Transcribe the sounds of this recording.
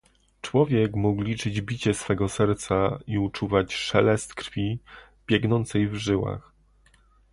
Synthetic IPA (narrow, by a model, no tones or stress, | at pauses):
t͡ʂwɔvʲjɛkmuklʲit͡ʂɘd͡ʑbʲit͡ɕɛsfɛɡɔsɛɾt̪saiut͡ʂuvat͡ɕʂɛlɛst̪kɾfʲi | b̥ʲjɛɡnɔnt̪sɛjvʐɘwa̰x